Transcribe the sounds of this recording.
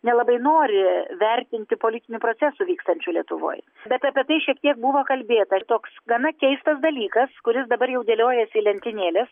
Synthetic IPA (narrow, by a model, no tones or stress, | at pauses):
nʲɛlˠɐbɐɪnoːɾʲɪʋʲɛɾʲt̪ʲɪnʲt̪ʲɪpolʲɪt̪ʲɪnʲupɾoːt͡s̪ʲɛsʊʋʲiːkst̪ɐnʲt͡ʃʲʊlʲiɛt̪ʊʋo̰ːj | bʲɛt̪ʲɐpʲiɛt̪ɐɪʃʲiɛk̚t̪ʲiɛk̚buʋoːkɐlʲbʲeːt̪ɐt̪oːksɡɐnɐkʲɛɪst̪ɐsd̪ɐlʲiːkɐskʊɾʲɪsd̪ɐbɐɾjɛʊd̪ʲeːlʲoːjɛsʲɪlʲɛnʲt̪ʲɪnʲeːlʲɛs